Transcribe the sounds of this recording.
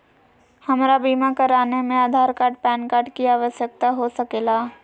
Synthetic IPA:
hɐmɾabiːmakɐɾaːnemẽaːd̪ʱaːɾkaːɾʈ̚pɛːnkaːɾʈkiaːʋəʃjək̚t̪aɦosɐkeːlaː

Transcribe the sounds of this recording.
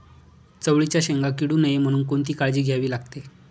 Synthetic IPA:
t͡səʋɭit͡ɕjaɕeŋɡakiɽuːnəjem̤əɽ̃uːnkoɳt̪iːkaɭd͡ʑiːɡʱjaʋiːlaɡ̚t̪e

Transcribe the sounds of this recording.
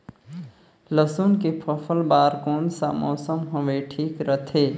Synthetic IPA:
ləsunkipʰəfʰəlbaːɾkoːnsa̰mɔːsəmɦoʋeʈʰiːkɾət̪ʰeː

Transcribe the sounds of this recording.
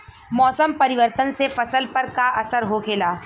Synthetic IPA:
mɔːsəmpɐɾɪʋəɾt̪ənsefɐsəlpɐɾkaʔɐsəɾɦokʰeːlaː

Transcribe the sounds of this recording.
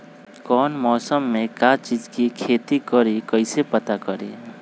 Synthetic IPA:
kɔːnmɔːsəmːẽkat͡ʃiːd͡ʒkikʰeːt̪ikəɾekəɪsepət̪akəɾḛ

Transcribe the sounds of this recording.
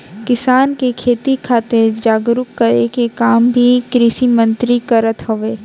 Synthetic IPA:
kɪsaːnkekʰeːt̪ikʰaːt̪eɾd͡ʒaːɡɾʊkːəɾekekaːmbʱikɾɪʃimə̃nt̪ɾikɐɾət̪ɦoʋeː

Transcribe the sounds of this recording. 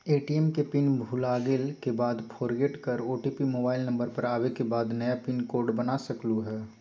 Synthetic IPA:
eːʈiɛmkepɪnbʱulaːɡɪlkebaːd̪pʰoːɾɡeʈkɐɾoːʈiːpimoːbaːɪlnɐ̃mbəɾpɐɾaːwekebaːd̪nɐjapɪnkoːɾɖbɐnaːsɐkluɦɛː

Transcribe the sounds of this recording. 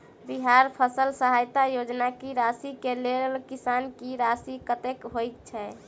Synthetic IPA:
biɦaɾpʰəsəlsəɦajt̪ajod͡ʒnakiɾasikelelkisankiɾasikət̪ekɦojk̚t͡ʃʰɛ

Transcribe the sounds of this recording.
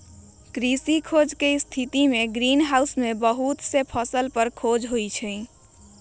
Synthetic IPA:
kɾisikʰod͡ʒkest̪ʰit̪imeɡɾinɦausmebəɦut̪sepʰəsəlpəɾkʰod͡ʒɦoit͡ʃʰə

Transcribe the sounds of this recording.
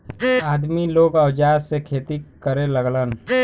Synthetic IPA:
aːd̪miloːɡəwd͡ʒaːɾsekʰeːt̪ikəɾeləɡlən

